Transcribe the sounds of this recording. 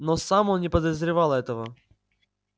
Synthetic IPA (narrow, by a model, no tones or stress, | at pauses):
nosamonnʲɪpəd̪əzɾʲɪvalˠɛt̪əvə